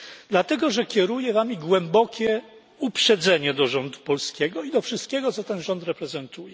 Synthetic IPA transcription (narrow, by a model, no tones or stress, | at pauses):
d̪̥lat̪ɛɡɔʐɛkʲɛɾujɛvamʲiɡwɛmbɔkʲɛ | upʂɛd̪zɛɲɛd̪ɔʐɔnd̪upɔlskʲɛɡɔid̪ɔfʂɘst̪̚kʲɛɡɔt̪sɔt̪ɛnʐɔnt̪ɾɛpɾɛzɛnt̪ujɛ